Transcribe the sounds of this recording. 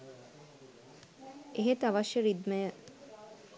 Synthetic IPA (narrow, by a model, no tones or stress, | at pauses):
eɦet̪aʋaʃjəɾid̪məjə